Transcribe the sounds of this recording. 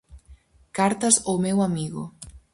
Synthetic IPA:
kaɾt̪ɐsomewamiɣʊ̰

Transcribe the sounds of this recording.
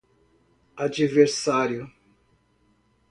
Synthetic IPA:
ad͡ʒiveɾsaɾjʊ

